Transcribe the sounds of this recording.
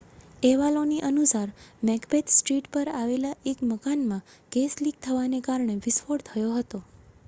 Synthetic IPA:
eʋaloniʔənusaɾmɛkpet̪sʈɾiʈpəɾaʋelaʔekməkanmãkesliɡ̚t̪ʰəʋanekaɾɳeʋɪsfoɽt̪ʰəjoɦət̪o

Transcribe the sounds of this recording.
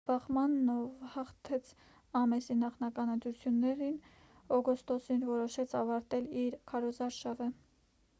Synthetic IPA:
b̥ɑχmɑnːɔvhɑχt̪ʰɛt͡sʰ | ɑmɛsinɑχnɑkɑnənt̪ɾut͡sʰjunːɛɾin | ɔɡɔst̪ɔsinvɔɾɔʃɛt͡sʰɑvɑɾt̪ɛliɾkʰɑɾɔzɑɾʃɑvə

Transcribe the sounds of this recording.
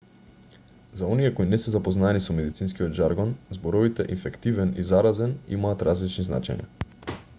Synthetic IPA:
zaɔniɛkoinɛsɛzapoznaɛnisɔmɛd̪it̪sinskiod̪ʒaɾɡɔnzbɔɾɔvit̪ɛʔinfɛkt̪ivɛnizaɾazɛnḭmaːt̪ɾazlit͡ʃnizna̰t͡ʃɛ̰ɲa̰

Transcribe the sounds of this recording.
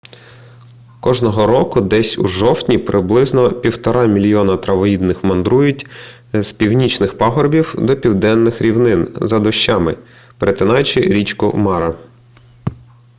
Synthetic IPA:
kɔʒnɔɦɔɾɔkʊd̪ɛsʲṵʒɔwtʲnʲipɾʔɪblˠɪznɔpʲiwt̪ɔɾɑmʲilʲijɔnɐt̪ɾɐʋɔjid̪nɪxmɐnd̪ɾujʊtʲ | zpʲiwnʲit͡ʃnɪxpɑɦɔrbʲiwd̪ɔpʲiwd̪ɛnːɪxɾʲiwnɪnzɐd̪ɔʃt͡ʃːɑmɪ | peɾʔet̪ɪnɑjt͡ʃɪɾʲit͡ʃkʊ̰mɑɾɐ

